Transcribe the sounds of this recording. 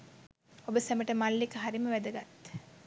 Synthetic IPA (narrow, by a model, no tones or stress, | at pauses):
obəsæməʈəmalːikəɦaɾiməʋæd̪əɡat̪ː